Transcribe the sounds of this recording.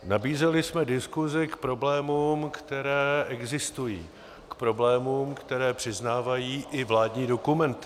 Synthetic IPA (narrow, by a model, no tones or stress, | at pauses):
nabiːzɛlɪsmɛdɪskuzɪkpɾo̞blɛːmuːmkt̪ɛɾɛːɛɡzɪst̪ujḭː | kpɾo̞blɛːmuːmkt̪ɛɾɛːpr̥ɪznaːvajiːʔɪvlaːdɲiːdo̞kumɛnt̪ɪ